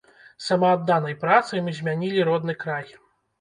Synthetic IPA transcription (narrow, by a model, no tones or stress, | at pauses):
samaːd̪ːanɐjpɾat̪sɨjmɨzʲmʲanʲilʲiɾɔd̪̚nɨkɾaj